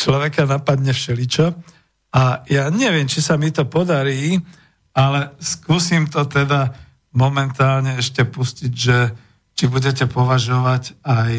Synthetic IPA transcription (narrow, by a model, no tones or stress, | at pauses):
t͡ʃlɔʋɛkanapad̪ɲɛfʃɛlit͡ʃɔ | ajaːɲɛʋɪɛmt͡ʃisamit̪ɔpɔd̪aɾiː | alɛskuːsiːmt̪ɔt̪ɛd̪a | mɔmɛnt̪aːlɲɛɛʃcɛpusciɟʒɛ | t͡ʃibuɟɛcɛpɔʋaʒɔʋacaj